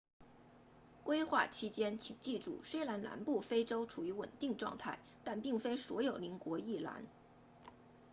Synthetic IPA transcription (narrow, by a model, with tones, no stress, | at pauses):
kwe˥ɪxwa̰˥˩t͡ɕʰi˥t͡ɕjɛ˥nt͡ɕʰi˨˩ŋt͡ɕi˥˧ʈ͡ʂṵ˥˩ʂe˥ɪla˧˥nla̰˧˥npu˥˩fe˥ɪʈ͡ʂo˥ʊʈ͡ʂʰu˨˩y˧˥wə̰˨˩nt̪i˥˧ŋʈ͡ʂwɑ̰˥˧ŋt̪ʰa˥˩ɪt̪a˥˧npi˥˩ŋfe˥ɪswɔ̰˧˥jo˨˩ʊli˧˥ŋkwɔ˧˥i˥˩la̰˧˥n